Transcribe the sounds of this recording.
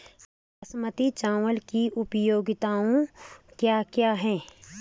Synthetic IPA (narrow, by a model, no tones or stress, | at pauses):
ɐsmət̪it͡ʃaːʋəlkiʔʊpəjoːɡɪt̪aːõkjaːkjaːɦɛː